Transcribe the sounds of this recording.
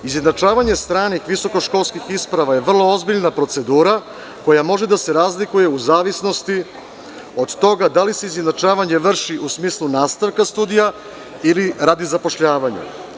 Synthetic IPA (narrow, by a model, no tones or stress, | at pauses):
izjed̪nat͡ʃaːʋaɲe̞st̪ɾaːnixʋiso̞ko̞ʃko̞lˠskixispɾaʋaje̞ʋr̩lˠo̞ozbiʎnapɾo̞t̪se̞d̪uːɾa | ko̞jamo̞ʒed̪ase̞ɾaːzlikuje̞uzaːʋisno̞st̪i | o̞d̪t̪o̞ɡad̪alise̞iznjed̪nat͡ʃaːʋaɲe̞ʋr̩ʃiʔusmiːslˠunaːst̪aʋkast̪uːd̪ija | iliɾad̪izapo̞ʃʎaːʋaɲa̰